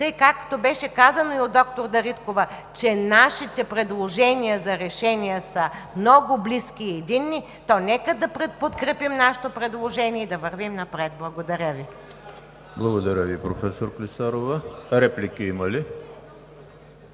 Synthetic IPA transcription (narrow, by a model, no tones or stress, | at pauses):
t̪əjkakːt̪obɛʃɛkazɐnoiod̪ɔkt̪oɾd̪ɐɾit̪kovɐt͡ʃɛnaʃit̪ɛpɾɛd̪lˠoʒɛniɐzɐɾɛʃɛniəsəmnɔɡʊbliskʲiːɛd̪inːi | t̪ɔnɛkəd̪ɐpɾɛpot̪kɾɛpimnaʃɛ̥t̪opɾɛd̪lˠoʒɛnʲiɛid̪ɐvəɾvimnɐpɾɛt̪̚blˠɐɡod̪ɐɾʲəvi | blˠɐɡod̪ɐɾʲəvipɾofɛsoɾklisaɾovəɾɛplikiimɐli